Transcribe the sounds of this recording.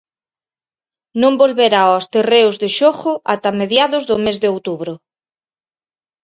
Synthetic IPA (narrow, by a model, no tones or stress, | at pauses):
nõmbolβeɾaɔst̪ereʊzðeʃoxʊat̪ameðjaðʊzðʊmezðɪowt̪uβɾʊ